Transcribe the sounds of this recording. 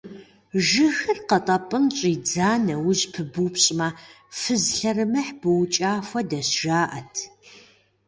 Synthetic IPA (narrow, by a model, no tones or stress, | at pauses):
ʒɨxɨrqɐtʼɐpʼɨmt͡ʃʼiːd͡zaːnɐwʊʑpʰɨbupɕʼmɐ | fɨzɬɐrɨmɨħb̥ɨwt͡ʃʼaːfʷɐdɐɕʒ̥aːʔɐtʰ